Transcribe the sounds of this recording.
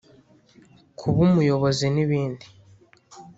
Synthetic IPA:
kʰuβumujo̞βo̞ziniβiːndi

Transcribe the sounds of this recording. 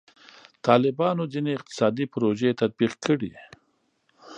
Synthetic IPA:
t̪ɑlɪbɑnod͡zineɪq̚t̪ɪ̥sɑd̪ipɾoʒet̪ad̪̚biqkʰəɽḭ

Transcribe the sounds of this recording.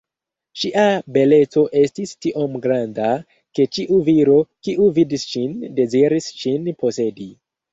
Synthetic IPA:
ʃiʔabe̞le̞t͡so̞ʔe̞stistiʔo̞mɡɾanda | ke̞t͡ʃiʔuviɾo̞kiʔuvidisʃinde̞ziɾisʃinpo̞se̞di

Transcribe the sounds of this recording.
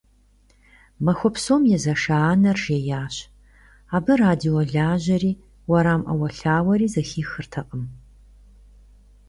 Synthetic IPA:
mɐxʷɔpsoːmjɛzɐʂaːnɐrʒeːjaːɕ | aːbɨraːdioɮaːʑɐɾiː | wɐɾaːmʔɐ̰wɐɬaːwɐɾiːzɐxiːxɨrtʰɐqʼəm

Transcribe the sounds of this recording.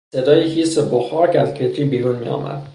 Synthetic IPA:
se̞d̪ɒːjehiːseboxɒːcæzkʰet̪ʰɾiːbiːɾuːnmḭɒ̰ːmæ̰d̪

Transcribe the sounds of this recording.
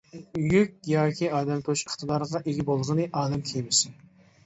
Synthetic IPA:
jykʲjɑːkʲʰiɑːd̪ɛmt̪ʰoʃiχt̪ɨd̪ɑɾʁɑʔeɡʲibolˠʁənɨʔɑːd̪ɛmkʲʰejmɪsɪ

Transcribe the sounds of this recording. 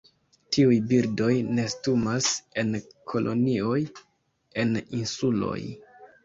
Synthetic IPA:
tʰiujbiɾdo̞jne̞stumase̞nkʰo̞lʔo̞̰nio̞j | e̞ninsulo̞̰j

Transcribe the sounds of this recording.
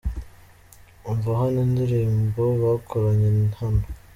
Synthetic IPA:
uɱvaɦanindiɾiːmboβakʰoɾaɲennhano

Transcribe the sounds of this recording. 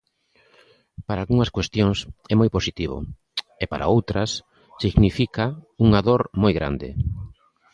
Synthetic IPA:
paɾaːlɣuŋɐskwest̪joŋsɛmojposit̪iβ̞o̰ | epaɾʔa̰owt̪ɾɐs | siɣnifikauŋaðoɾmojɣɾʔa̰nd̪ɪ̰

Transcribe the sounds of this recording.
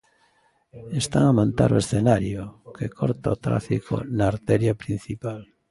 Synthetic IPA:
est̪aŋamãnt̪a̰ɾo̰esθenaɾjokekʰoɾt̪aot̪ɾa̰fikʰo̰naːɾt̪ɛɾjapɾin̟θipal

